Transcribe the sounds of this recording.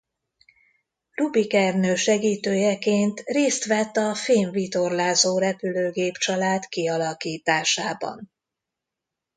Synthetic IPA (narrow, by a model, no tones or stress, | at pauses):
rubikɛrnøːʃɛɡiːt̪øːjɛkeːnt̪reːst̪ʋɛt̪ːɒfeːɱvit̪o̞rlaːzoːɾɛpyløːɡeːpt͡ʃɒlaːt̪kiɒlɒkiːt̪aːʃaːbɒ̰n